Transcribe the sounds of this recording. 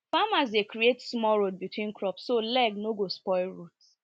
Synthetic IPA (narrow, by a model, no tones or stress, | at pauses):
famaz̬dekɾietsmɔɾod̚bitwĩnkɾɔpsːolɛɡnoɡospɔɪlɹut